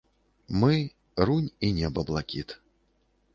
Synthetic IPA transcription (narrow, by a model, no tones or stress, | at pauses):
mɨ | ɾunʲinʲɛbɐblˠakʲit̪